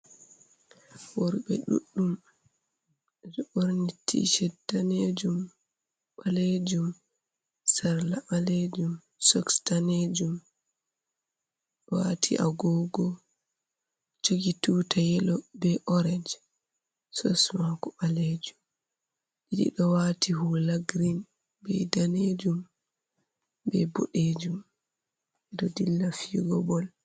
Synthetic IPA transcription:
wɔɾɓɛ̰ɗṵɗːum | d͡ʒɛɓoɾnitʰːḭʃɛdaned͡ʒum | ɓaled͡ʒum | saɾlaɓaled͡ʒum | sɔkstaned͡ʒum | watʰḭʔa̰ɡɔɡɔ | t͡ʃoɡituːtʰajɛlɔbɛʔɔɾɛd͡ʒ | sɔsmakɔɓaled͡ʒum | ɗiɗḭɗɔwatiɦulaɡɾin | bɛdaned͡ʒum | bɛboɗed͡ʒum | ɛɗɔdilːafiɡɔbɔl

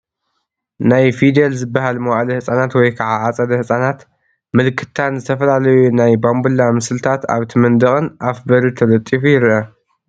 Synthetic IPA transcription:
najfid̪elzɨbːahalmɐwalɐhɨsʼanat̪wɔjkʰaʕaʔat͡sʼɐd̪ɐhɨsʼanat̪ | mɨlkʰɨ̥t̪ʰːanzɨt̪ʰɐfɐlalɐjunajbambulːamɨslɨt̪ʰat̪a̰βt̪ʰɨmɨnd̪ɐχʼɨnʔafbɐɾit̪ʰɐlɐt̪ʼːifujɪɾʔɐ

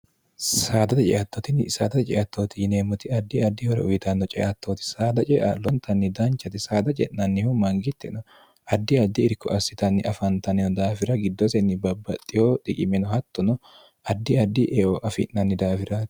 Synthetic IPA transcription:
saːd̪ɐt̪ɐt͡ʃʼɛ̰ʔɐt̪ːoːt̪ɪnsa̰ːd̪ɐt̪ɐt͡ʃʼɛʔɐt̪ːoːt̪ɪɪneːmʊt̪ɪɐd̪ːɪɐd̪ːɪhɔɾɛ̰ʊjɪt̪ɐnːɔt͡ʃʼɛ̰ʔɐt̪ːoːt̪ɪ̥saːd̪ɐt͡ʃʼɛʔa̰lɔnt̪ʰɐnːɪd̪ɐnt͡ʃːɐt̪ɪsaːd̪ɐt͡ʃʼɛ̰nːɐnːɪhʊmɐŋɡɪt̪ːɛnɔ | ɐd̪ːɪɐd̪ːɪɪɾkɔ̰ʔɐsɪt̪ɐnːɪʔɐfɐnt̪ɐnɛnɔd̪aːfɪɾɐɡɪd̪ːɔsɛnːɪbɐbːɐt̪ʼːɪhoːt̪ʼɪkʼɪmɛnɔhɐt̪ːɔnɔ | ɐd̪ːɪɐd̪ːɪʔeoʔɐfɪ̰nːɐnːɪd̪aːfɪɾɐ

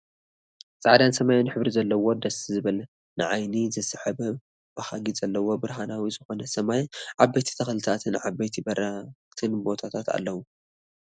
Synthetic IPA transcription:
t͡sʼaʕd̪ansɐmajnɨħɨβɾizɐlːɐwo̞d̪ɐsizɨβɐl | nɨʕajnizɨsɨħɐbɐ | b̥ɐhaɡizɐlːɐwo̞bɨɾɦanawizɨxo̞nɐsɐmajʕabːejt̪ʰi̥t̪ʰɐxlɨt̪ʰat̪ʰɨnʕabejt̪ʰibɐɾat̪ʰɨnbo̞t̪ʰat̪ʰat̪a̰lːɐwu

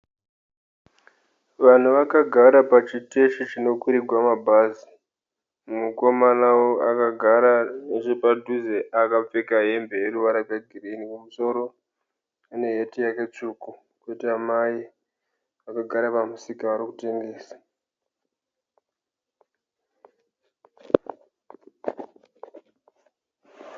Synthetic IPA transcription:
ʋan̤uʋakaɡʱaɾapat͡ʃite̞ʃit͡ʃino̞kuɾiɡʱwamabʱazi | muko̞manawoakaɡʱaɾaneʐepadʱuzeʔakap͡fe̞kaɦe̞mbe̞eɾuʋaɾapjaɡʱirenikumuso̞ɾo̞ | une̞ɦe̞tijake̞t͡ʂuːku | kwetiamai | akaɡʱaɾapamusikaʋaɾikute̞ŋɡe̞ːsḁ

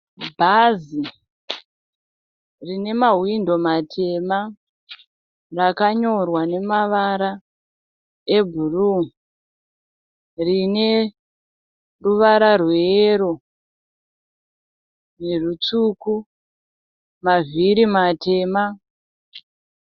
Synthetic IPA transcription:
bʱazi | rine̞maɦwindo̞matʰe̞ma | rakaɲo̞rwane̞maʋaɾa | e̞bʱuru | rine̞ | ruʋaɾarweːɾo | ne̞rut͡suku | maviɾimate̞ːma

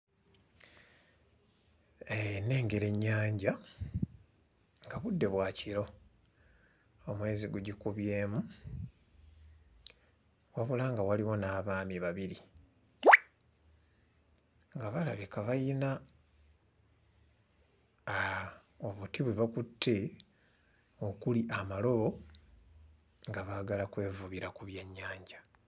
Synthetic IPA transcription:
ene̞ːŋɡe̞ɾe̞ɲːaːɲɟa | ŋɡaβudːe̞βwaːcʰiɾo̞ | omwe̞ːziɡuɟikuβje̞ːmu | waβulaŋɡawaliwo̞naːβaːmiβaβiɾi | ŋɡaβalaβikaβajina | oβutiβweβakutʰːe̞ | o̞kuliʔamalo̞βo̞ | ŋɡaβaɡalakwe̞ːvuβiɾakuβje̞ɲːaːɲɟa

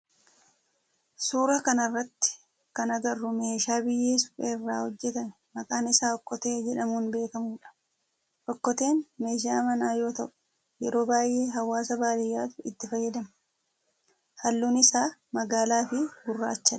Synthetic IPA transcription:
suːɾɐkɐnɐrːɐt̪ːɪ̥ | kɐnɐɡɐrːʊme̞ːʃaːbɪjːe̞ːsʊ̥fʼḛrːa̰ːhɔd͡ʒːɛt̪ɐm | mɐkʼaːnɪsaːɔkːɔt̪e̞ːd͡ʒɛᶑɐmuːnbe̞ːkɐmuːᶑɐ̥ | ʔɔkːɔt̪e̞ːnme̞ːʃ̬aːmɐnaːjo̞ːt̪ɐʔʊ̥ | jɛɾo̞ːbaːjʔe̞ːɦɐwːaːsɐbaːlɪjːaːt̪ʊɪt̪ːɪfɐjːɐd̪ɐmɐ | hɐlːuːnɪsaːmɐɡaːlaːfɪɡʊrːa̰ːt͡ʃːɐᶑ

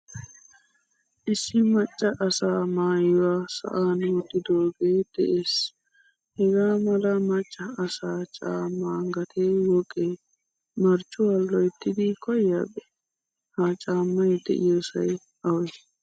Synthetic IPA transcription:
ʔɪsːɪmɐt͡ʃʼːɐʔɐsaːmaːjɪwaːsɐ̰ʔaːnʊt̪ːɪd̪oːɡeːd̪̥ɛʔeːs | hɛɡaːmɐlɐmɐt͡ʃʼːɐːsaːt͡ʃʼaːmːaːŋɡɐt̪ʰeːwɔkʼːe | mɐɾt͡ʃʼːʊwɐlːɔjt̪ːɪd̪ɪkʰɔjːabɛ̥ | hat͡ʃʼaːmːɐjd̪ɛ̰ʔɪ̰joːsɐj | ɐwj

